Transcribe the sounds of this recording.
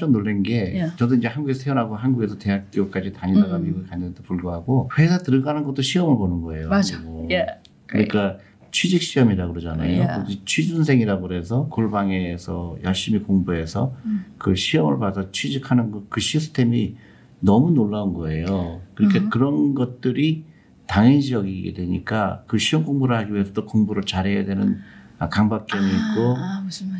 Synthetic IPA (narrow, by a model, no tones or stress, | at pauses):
ʌmnoɭːenɡe̞t͡ɕʌdoiɲd͡ʑe̞hanɡuɡe̞sʰʌejonɦaɡoɦanɡuɡe̞sʰʌte̞ɦak̚t͈iok͈ad͡ʑitaɲidaɡamiɡukanʌntopuɭɡoɦaɡoɸwe̞sʰatɯɾɯɡanɯnɡʌt͈oɕʰiʌmɯɭponɯnɡʌe̞joo | kɯɲik͈a | t͡ɕʰɥid͡ʑik̚ɕ͈iʌmiɾaɡɯɾʌd͡ʑanajoɯit͡ɕʰɥid͡ʑuns̬ʰe̞ŋiɾaɡoɾe̞sʰʌkoɭbaŋe̞sʰʌjʌɭɕ͈imikoŋbuɦe̞sʰʌkɯɕʰiʌmɯɭpasʰʌt͡ɕʰwid͡ʑikʰanɯnɡʌkɯɕʰisʰɯ̥tʰe̞mi | nʌmunoɭːaunɡʌe̞jokɯɾikʰakɯɾʌnɡʌt̚t͈ɯɾi | taŋinɕʰiʌɡiɡḛdwe̞ɲik͈akɯɕʰiʌmɡoŋbuɾɯɭhaɡiuesʰʌdokoŋbuɾɯɭt͡ɕaɾɦejadwe̞nɯnakaŋbak͈̚eniːk͈o